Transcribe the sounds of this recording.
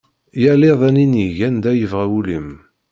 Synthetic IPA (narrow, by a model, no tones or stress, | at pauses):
jæleðˤæniniʝænd̪æjəvʁæwulim